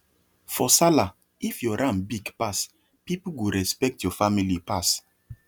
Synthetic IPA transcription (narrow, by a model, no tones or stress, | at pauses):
fɔsala | ifjɔɾãmbiɡpas | pipuwiɾɛspɛk̚tjɔfamilipas